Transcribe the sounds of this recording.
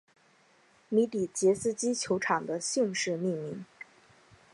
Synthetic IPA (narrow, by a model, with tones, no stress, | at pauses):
mi˧˥t̪i˨˩t͡ɕjɛ˧˥sɹ̩˥t͡ɕi˥t͡ɕʰjo˧˥ʊʈ͡ʂʰɑ˨˩ŋd̪ə˦ɕi˥˧ŋʂɻ̩˥˧mi˥˩nmi˧˥ŋ